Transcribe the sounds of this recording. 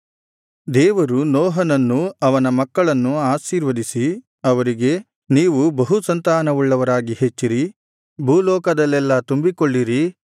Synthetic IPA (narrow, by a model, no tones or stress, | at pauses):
d̪ɛːʋɐɾunɔːɦɐnɐnːuɐʋɐnɐmɐkːɐɭɐnːuaːʃiːɾʋɐd̪isi | ɐʋɐɾiɡe̞ | niːʋubɐɦusɐnt̪aːnɐʋuɭːɐʋɐɾaːɡiɦe̞t͡ʃːiɾi | bʱulɔːkɐd̪ɐlːɛlːɐt̪umbikoɭːiɾi